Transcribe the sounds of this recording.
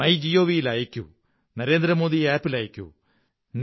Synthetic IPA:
ɐjd͡ʑijo̞ːʋijilaːjikʲːṵ | nɐɾe̞ːnd̪ɾɐmo̞ːðiaːpːilaːjikʲːṵ | n

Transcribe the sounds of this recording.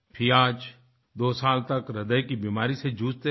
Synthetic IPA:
pʰiaːd͡ʒ | d̪oːsaːlt̪ɐkɾɐd̪əjkibiːmaːɾised͡ʒuːd͡ʒt̪e

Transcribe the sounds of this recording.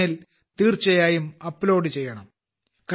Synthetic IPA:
il | t̪iːrt͡ɕɐjaːjumɐpːlo̞ːɽɨt͡ɕe̞jːɐɳɐm | kɐ

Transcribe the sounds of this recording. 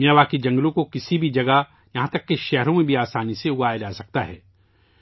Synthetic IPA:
mjaːʋaːkid͡ʒɐ̃ŋɡlõkokɪsibʱid͡ʒɐɡa | jɐɦãt̪ɐkːeʃɛɦɾõmẽbʱiaːsaːniseʊɡaːjad͡ʒaːsɐk̚t̪aɦɛ̰ː

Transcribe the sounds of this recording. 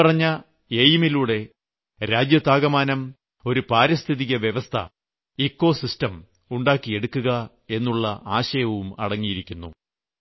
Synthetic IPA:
ɐrɐɲːɐ | ejimiluːɽe̞ | ɾaːd͡ʑjɐt̪aːɣɐmaːnɐm | o̞ɾupaːɾɐst̪ʰiðiɣɐʋjeʋɐst̪ʰɐ̰ | ikːo̞ːsistɐm | uɳɖaːkːie̞ɽukːuɣɐ | e̞nːuɭːɐʔaːɕɐjɐʋumɐ̰ɽɐŋːijiɾikʲːunːṵ

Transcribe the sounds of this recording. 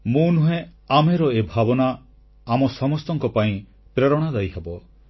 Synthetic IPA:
munuɦẽameɾɔebʱabɔnaː | mɔsɔmɔst̪ɔŋkɔpaĩ | pɾeɾɔɽ̃ad̪ajɦabɔ

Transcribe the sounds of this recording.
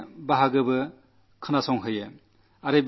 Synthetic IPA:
baɦaɡɯbɯ | kʰɯnasɔŋɦɯjɯ | aɾeb

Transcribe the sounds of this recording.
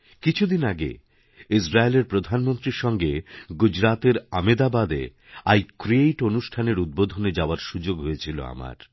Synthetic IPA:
kit͡ɕʰud̪inaɡḛ | isɾaeleɾpɾod̪ʱanmont̪ɾiɾʃɔŋɡeɡud͡ʑɾat̪eɾamed̪abad̪ḛ | ajkɾiejʈonuʃʈʰaneɾud̪̚bod̪ʱoned͡ʑaoaɾʃud͡ʑoɡɦojet͡ɕʰilo̰a̰ma̰ɾ

